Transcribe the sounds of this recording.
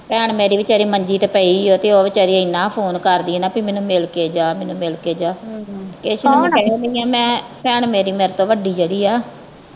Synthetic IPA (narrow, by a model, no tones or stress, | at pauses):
pɛːɳmeːɾiːʋɪt͡ʃaːɾiːməɲd͡ʒiːt̪eːpɛioːt̪eːoːʋɪt͡ʃaːɾiːɪnãːpʰoːnkəɾd̪iːɛnaːpiːmɛ̃ːnũːmɪlkeːd͡ʒaːmɛ̃ːnũːmɪlkeːd͡ʒaːkeːʃːniːãːmɛ̃ːpɛːɳmeːɾiːmeːɾt̪õːʋəɖiːd͡ʒeːɽiːaː